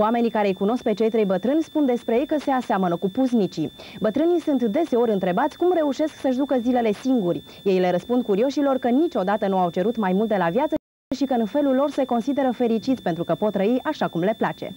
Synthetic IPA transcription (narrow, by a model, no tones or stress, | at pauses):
ame̞nikaɾejkuno̞sk̚pe̞t͡ʃe̞jt̪ɾejbət̪ɾɨnʲspund̪e̞spɾeje̞jkəse̞aseamənəkupuznit͡ʃi | bət̪ɾɨnijsunt̪d̪e̞se̞o̞ɾɨnt̪ɾe̞bat̪sʲkumre̞uʃe̞sksəʃ̬d̪ukəzile̞le̞siŋɡurʲ | je̞jle̞ɾəspund̪̚kuɾio̞ʃilo̞rkənit͡ʃo̞d̪at̪ənuawt͡ʃe̞ɾut̪majmult̪̚d̪e̞lavjat̪sə | ʃikəɨnfe̞lulːo̞rse̞ko̞nsid̪e̞ɾəfe̞ɾit͡ʃit̪sʲpe̞nt̪ɾukəpo̞t̪ːɾəiʔaʃakumle̞plat͡ʃe̞̰